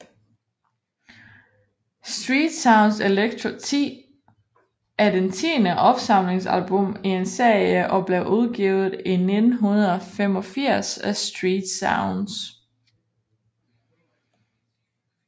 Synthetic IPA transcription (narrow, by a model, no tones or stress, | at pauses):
sd̥ʁiːd̥sɑ̈ʊnseleɡ̥̚t͡sʰʁot͡sʰḭː | æɐdent͡sʰiːnəʔɒ̽b̥sɑ̈m̰le̝ŋsæ̰lb̥ɔmie̝nse̝ɐ̰jiəʔɒ̽b̥le̝ʊʔuðˠɡ̥iːʊð̩ˠine̝d̥n̩ɦunɐðˠɒfem̰ɒ̽fiɐ̰sæsd̥ʁiːd̥sɑʊns